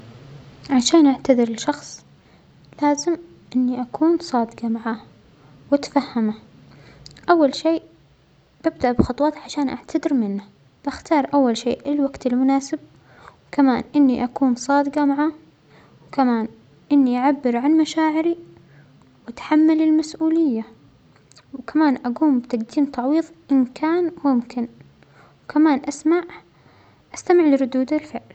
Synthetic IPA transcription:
ʕaʃaːnʔaʕt̪ad̪ɪɾɪlʃɑxsˤ | laːzɪm | ʔɪnːiʔakʰuːnsˤɑːd̪ɨqɑmaʕaː | wɪt̪fahːama | ʔawːalʃeːʔ | b̥ab̚d̪aʔbxɑt̪ˤwɑːt̪ʕaʃaːnʔaʕt̪ʰad̪ɪɾmɪnːa | b̥axt̪ɑːɾˤʔawːalʃeːʔɪlwaɡt̪ɪlmʊnaːsɪb̚ | wkamaːnʔɪnːiʔakuːnsˤɑːd̪ɨqɑmaʕaː | wkamaːn | ʔɪnːiʔaʕabːɪɾʕanmaʃaːʕɪɾi | wat̪ħamːalɪlmasʔuːlɪjːa | wkamaːnʔaɡuːmbɪt̪aɡd̪iːnt̪ɑʕwiːðˤʔɪnkʰaːnmʊmkɪn | wkamaːnʔasmaʕ | ʔast̪amɪʕlɪɾʊd̪uːd̪alfɪʕl

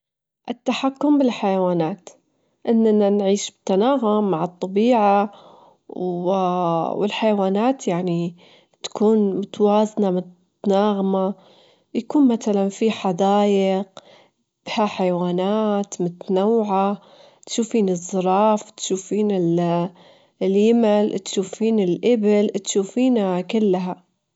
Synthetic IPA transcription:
ʔɪt̪ːaħakːʊmbɪlħajawaːnaːt̪ | ʔɪnːananʕiːʃbɪt̪ːanaːɦʊmːaʕɑt̪ˤːɑbiːʕa | wɪlħajawaːnaːt̪jaʕni | t̪ḁkʰuːnmʊt̪waːznamʊt̪ | naːɣma | jakuːnmaθalanfiħad̪aːjɪq | b̥haħajwaːnaːt̪mʊt̪anawːʕa | t̪ʃuːfiːnɪzˤːɨɾˤɑːft̪ʃuːfiːnɪl | ljɪmɪlt̪ʃuːfiːnɪlʔɪbɪlt̪ʃuːfiːnakɪlːɦa

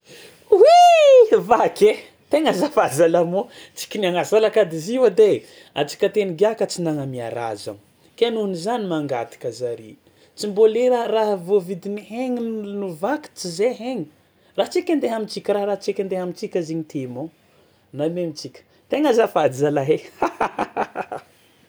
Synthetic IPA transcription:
wivakʲe | t̪eŋəzafad͡zalamo | t͡si̥kʲinaŋazalakad̪iziwəd̪e | a̰t͡ʃi̥kʲət̪eniɡakət͡sinaŋamia̰ɾa̰za̰n | kʲenunizanimaŋɡat̪i̥kəzaɾi | t͡simbolearaɦvovid̪iniɦeŋinuvaki̥t͡sizeɦeŋi | raɦt͡sikʲand̪eɦamit͡sikʲəɾaɾat͡sikʲand̪eɦamit͡sikʲaziɲit̪emo | namemit͡sikʲə̥ | t̪eŋazafazalaɦea

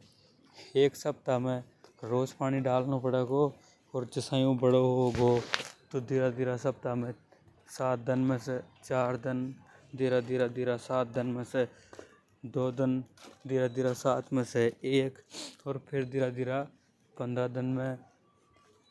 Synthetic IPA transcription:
eːksəb̚t̪amẽ | ɾoːd͡ʒpaːniɖaːlnopəɽeko | ɔːɾd͡ʒɪsaːjũbəɽoɦoɡoːt̪od̪ɪɾad̪ɪɾasəb̚t̪amẽ | saːt̪̚d̪ɪnmẽset͡ʃaːɾd̪ɪnd̪ɪɾad̪ɪɾad̪ɪɾasaːt̪̚d̪ɪnmẽse | d̪oːd̪ɪnd̪ɪɾad̪ɪɾasaːt̪ʰmẽseeːkɔːɾpʰɪɾd̪ɪɾad̪ɪɾa | pə̃nd̪ɾad̪ɪnmẽ

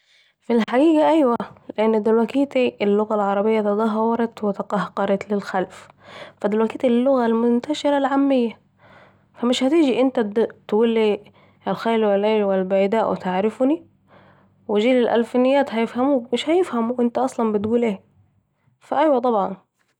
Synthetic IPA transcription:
filħaɡiːɡaʔajwalɪʔɪnːd̪ɪlwakiːt̪ilːʊɣalʕɑɾˤɑbɪjːat̪ɨd̪ˤɑɦːɑwɑɾˤɑt̪wɪt̪ɪqɑhqɑɾˤɑt̪lɪlxalf | fad̪ɪlwækiːt̪ɪlːʊɣalmʊnt̪aʃɪɾalʕamːɪjːa | famɪʃhæt̪iːd͡ʒiʔɪnt̪at̪walːi | lxajlwɪlʔaːlwɪlbajd̪aːʔwʔɪ̰t̪ɪʕɾɪfni | wɪʒiːlɪlʔa̰lfɪnɪjːaːt̪hajɪfhamuːmɪʃhajɪfhamuʔɪnt̪aʔɑsˤlɑmbɪt̪ɡuːlʔeː | faʔajwat̪ˤɑbʕɑn

